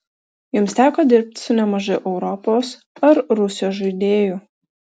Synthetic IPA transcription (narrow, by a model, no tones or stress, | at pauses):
jʊmsʲt̪ʲæːkoːd̪ʲɪɾʲp̚ʲt̪ʲsʊnʲɛmɐʒɐɪʔɛʊɾɔpoːs | ɐɾɾʊsʲjoːʒɐɪd̪ʲeːjʊ